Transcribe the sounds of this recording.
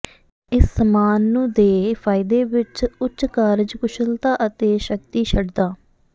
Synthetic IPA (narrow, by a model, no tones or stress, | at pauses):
ɪsːəmaːnːũːd̪eːpʰaːɪd̪eːʋɪt͡ʃʊt͡ʃkaːɾd͡ʒkʊʃəlt̪aːʔət̪eːʃək̚t̪iːʃʰəɖd̪aː